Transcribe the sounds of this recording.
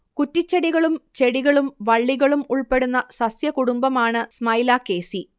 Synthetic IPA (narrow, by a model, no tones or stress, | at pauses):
kutːit͡ɕːeɽiɣɐɭumt͡ɕe̞ɽiɣɐɭumʋɐɭːiɣɐɭumuɭpe̞ɽunːɐsɐsjɐkuɽumbɐmaːɳɨsmɐjlaːke̞ːsi